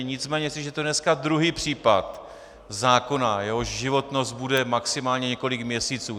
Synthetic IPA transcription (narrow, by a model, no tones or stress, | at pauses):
ɲɪt͡smɛːɲɛsɪʒɛt̪odnɛskad̪ɾuɦiːpr̥iːpat̪ | zaːko̞najɛɦoʃʒɪvo̞t̪no̞st̪̚budɛmaksɪmaːlɲɛɲɛko̞lɪkmɲɛsiːt͡suː